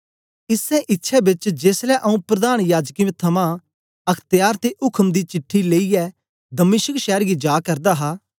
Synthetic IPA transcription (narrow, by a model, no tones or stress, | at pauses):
ɪsɛ̃ʔɪtːʃʰɛbɪt͡ʃd͡ʒeːslɛʔɐũpɾɐd̪aːɽ̃jaːd͡ʒkimẽt̪ʰɐmã | ɐkʰt̪ɪjaːɾt̪eʔʊkʰəmd̪it͡ʃɪʈʰːileːiɛ | d̪ɐmɪʃəkʃɛːɾɡid͡ʒaːkɐɾd̪aɦaː